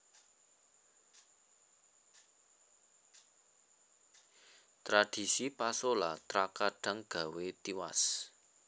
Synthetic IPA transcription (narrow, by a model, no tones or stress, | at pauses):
t̪ɾaɖ̥i̤sipasolat̪ɾakaɖ̥a̤ŋɡ̥a̤wet̪iwa̰s